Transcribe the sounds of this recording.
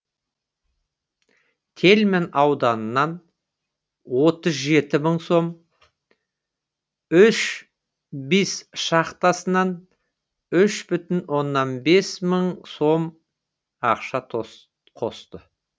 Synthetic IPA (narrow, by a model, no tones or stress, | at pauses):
t̪ʰe̞lme̞nɑwd̪ɑnənːɑn | wo̞t̪əzʒe̞t̪ɪməɴso̞m | ʏʃ | besʃɑqt̪ɑsənɑn | ʏʃbʏt̪ɪnwʔo̞nːɑnbe̞sməɴso̞m | ɑqʃɑt̪ʰ | qʰo̞st̪ə